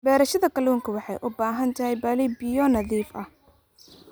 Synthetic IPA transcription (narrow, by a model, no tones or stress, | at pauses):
bɛːɾɐʃɐðɐkʰɐluːŋkʰɐwɑħɑjʔʊbaːɦɐnt̪ʰɐɦɛjbaːlibɪjɔnɐðiːfɐ̰h